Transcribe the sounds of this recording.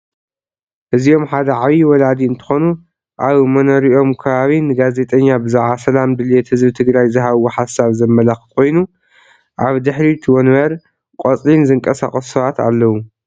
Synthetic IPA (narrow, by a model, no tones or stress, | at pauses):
ʔɨzio̞mħad̪ɐʕaβiwɔlad̪iɨnt̪ʰɨ̥xo̞nu | ʔaβmɐnoɾiʔo̞mkʰɐβaβinɨɡaze̞t̪ʼɐɲːabɨzaʕasɐlamd̪ɨlet̪hɨzbɨt̪ʰɨɡɾajzɨɦaβoħasaβzɐmːɐlaxɨ̥kʰo̞jnu | ʔaβd̪ɨħɾit̪ʰɨwonβɐɾ | kʼot͡sʼlinzɨŋkʼɐsa̰χʼɐssɐβat̪a̰lːɐwu